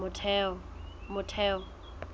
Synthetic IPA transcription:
ʊtʰɛ | mʊtʰɛːɔ

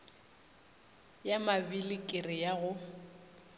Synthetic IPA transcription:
jamabilɪkʼɪrɪjaɣʊ

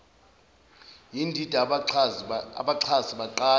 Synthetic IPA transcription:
jindʱid̥ʱa | a̰ɓaǀʰaziɓaǃaː

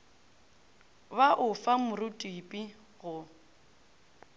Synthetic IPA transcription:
baʔʊfamʊrʊtʼipʼi | ɣʊ

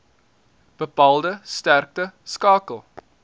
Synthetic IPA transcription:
b̥əpɑːlˠdəstærk̚təskɑːkəlˠ

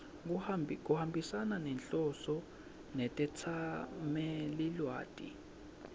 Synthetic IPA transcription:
k̬ʼuhambʱisananɛnt͡ɬɔsɔ | nɛtʼɛt͡sʰamɛlilwa̰ːd̥ʼʱḭ

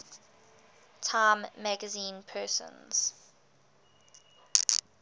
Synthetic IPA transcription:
tʰãɪmːæɡəzĩːnpʰɜːˑsə̰̃nz̥

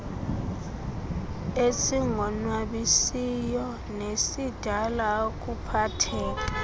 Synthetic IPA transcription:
esiŋɔnwaɓisijɔ | nesid̥ʱalak̬ʼupʰatʰɛːk̬a

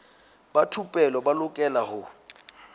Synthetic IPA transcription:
batʰupʼɛlɔbalʊkʼɛlahʊ

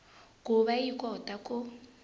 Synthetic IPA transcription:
ɡuβaikʼɔtakʼo

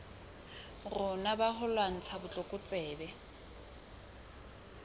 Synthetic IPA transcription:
rʊnabahʊlwan̩t͡sʰabʊt͡ɬʼɔkʼʊt͡sʼɛːbɛ

